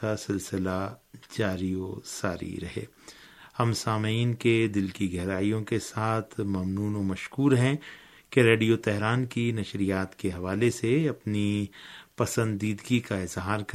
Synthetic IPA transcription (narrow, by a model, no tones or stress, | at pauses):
asɪlsɪlad͡ʒaːɾijosaːɾḭɾɐɦḛː | hɐmsaːmiːnked̪ɪlkiɡɛɦɾaːijõkesaːt̪ʰmɐmnuːnomɐʃkuːɾɦɛ̃ | keɾeːɖijot̪ɛɦɾaːnkinɐʃɾijaːt̪keɦɐʋaːleseɐpnipɐsə̃nd̪ːiːd̪ɡikaɪzɦaːɾk